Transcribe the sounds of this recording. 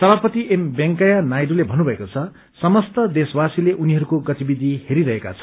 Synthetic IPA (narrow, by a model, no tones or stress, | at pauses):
sʌbapʌt̪iʔembeŋkajanajɖulebʱʌnubʱʌekot͡sʰʌ | sʌmʌst̪ʌd̪eswasileʔuniɦʌɾukoɡʌt̪ibid̪ʱiheɾiɾʌɦeka̰t͡sʰʌ̥